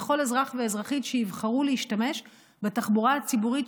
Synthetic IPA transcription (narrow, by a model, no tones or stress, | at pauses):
χo̞lezʁaχveːzʁaχitʃeivχaʁuleiʃtame̞ʃ | betaχbuʁaat͡sibuʁit